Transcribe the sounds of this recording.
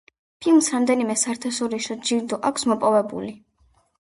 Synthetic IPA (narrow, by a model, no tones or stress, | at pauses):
pʰilˠmsɾamd̪ɛnimɛsaɾt̪ʰasɔɾiʃɔd͡ʒiɾd̪ɔʔakʷʰsmɔpʼɔvɛbṵli